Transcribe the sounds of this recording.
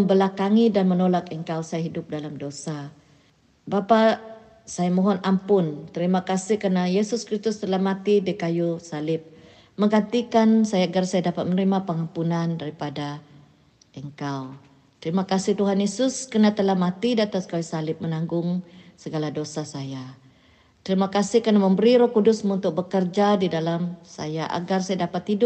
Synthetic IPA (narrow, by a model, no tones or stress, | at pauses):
əmbəlakaŋidanmənolakəŋkawsajaɦidʊp̚dalamdosa | bapa | sajamoɦɔnʔampʊnt̪əɾimakasɪhkərnajesʊskɾist̪ʊst̪əlahmat̪idikajusalɪp̚ | məŋɡant̪ikansajaɡarsajadapat̪̚mənɾimapəŋampunandaɾipada | ʔəŋkaw | t̪əɾimakasɪht̪uɦanjesʊskənat̪əlahmat̪idiat̪askawusalɪp̚mənaŋɡʊŋsəɡaladosasaja | t̪əɾimakasɪhkənaməmbəɾiɾɔkudʊsmunt̪ʊk̚bəkərd͡ʒadidalamsa̰jaʔa̰ɡarsajadapat̪ːidʊ